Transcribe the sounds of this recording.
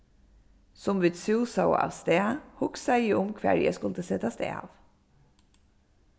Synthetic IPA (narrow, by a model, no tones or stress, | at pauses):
sɔmʋɪt̪sʉːsɑʊɑ̰ːʋst̪eːɑhʊksæɪiːʊmkʰʋæ̰ɹjæ̰skʊlt̪əsɛt̪ɑst̪ḛːɑ̰ːʋ